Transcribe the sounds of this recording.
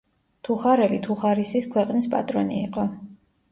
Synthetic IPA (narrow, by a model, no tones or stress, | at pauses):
t̪ʰuχaɾɛlit̪ʰuχaɾisiskʰwɛqʼnispʼa̰t̪ʼɾɔniːqʼɔ